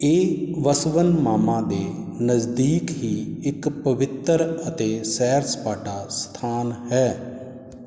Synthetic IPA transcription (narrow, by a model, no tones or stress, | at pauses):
eːʋəsʋənmaːmãːd̪eː | nəzd̪iːkɦiːɪkpəʋɪt̪əɾət̪eːsɛːɾspaːʈaːst̪ʰaːnɦɛː